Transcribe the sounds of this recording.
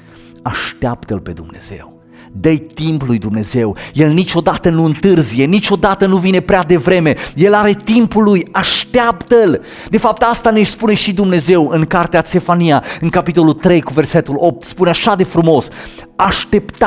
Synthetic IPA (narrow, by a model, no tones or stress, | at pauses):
aʃt̪eapt̪əlpe̞d̪umne̞̰z̥e̞̰w | d̪əjt̪implujd̪umne̞ze̞wje̞lnit͡ʃʲo̞d̪at̪ənuɨnt̪ɨrzije̞nit͡ʃo̞d̪at̪ənuvine̞pɾead̪e̞vɾe̞me̞je̞laɾe̞t̪impulːujaʃt̪eapt̪əl | d̪e̞fap̚t̪ast̪anespune̞ʃid̪umne̞ze̞wɨŋkart̪eat̪se̞faniaɨŋkapit̪o̞lult̪ɾe̞jkuve̞rse̞t̪ulo̞p̚t̪spuneaʃad̪e̞fɾumo̞s | aʃt̪e̞pt̪a